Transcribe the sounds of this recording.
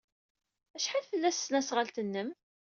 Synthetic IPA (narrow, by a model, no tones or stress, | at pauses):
æʃħaðfəlːæsːnæsʁəlt̪ənːəm